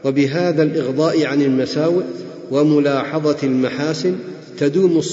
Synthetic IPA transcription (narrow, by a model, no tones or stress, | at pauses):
wabɪɦaːðalʔɪɣd̪ˤɑːʔʕanɪlmasaːwɪʔ | wamʊlɑːħɑðˤɑlmaħaːsɪn | t̪ad̪uːmʊsˤ